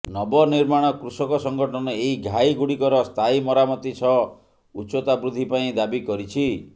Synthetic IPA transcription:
nɔbɔniɾmaɽ̃ɔkɾusɔkɔsɔŋɡɔʈʰɔnɔeɦiɡʱajɡuɽikɔɾɔst̪ʰajimɔɾamɔt̪it͡ʃʰɔ | ut͡ʃot̪abɾud̪ʱːipaĩd̪abikɔɾit͡ʃʰi

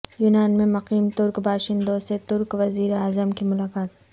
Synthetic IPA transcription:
juːnaːnmẽmɐqiːmt̪ʊɾkbaːʃɪ̃nd̪oset̪ʊɾkʋɐziːɾeaːzəmkimʊlaːkaːt̪

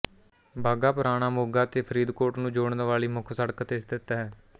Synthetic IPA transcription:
bʱaːɡaːpʊɾaːɽ̃aːmoːɡaːt̪eːpʰəɾiːd̪koːʈnũːd͡ʒoːɳnʋaːɭiːmʊkʰsəɽkt̪eːsd̪ɪt̪ːaːɦɛː

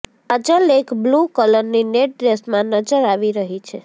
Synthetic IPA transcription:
əd͡ʒəlekblukələɾnineʈ̚ɖɾesmãnəd͡ʒəɾaʋiɾəɦit͡ʃʰe

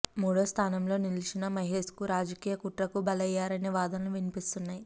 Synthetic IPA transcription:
muːɽo̞ːst̪ʰaːnɐmlo̞ːnilit͡ʃinɐmɐjɦeskuɾaːd͡ʒɐkiːjɐkuʈɾɐkubɐlɐjːaːɾɐneːʋaːd̪ɐnɐluʋinipist̪unːaːji

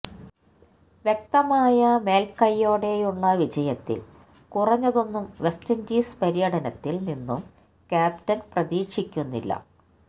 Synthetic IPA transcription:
ʋjek̚t̪ɐmaːjɐme̞ːlkɐjːo̞ːɽe̞juɭːɐʋid͡ʑɐjɐt̪ːḭl | kurɐɲːɐðo̞nːumʋe̞stɐndiːspɐɾijɐɽɐnɐt̪ːilninːum | kʲaːptɐnprɐðiːkʂikʲːunːḭlːɐ̰

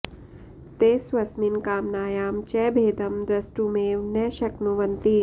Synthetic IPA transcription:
t̪eːsʋɐsminkaːmnaːjaːmt͡ʃɛːbʱeːd̪ɐmd̪ɾɐsʈumeːʋnɛːʃɐknuʋɐnt̪i

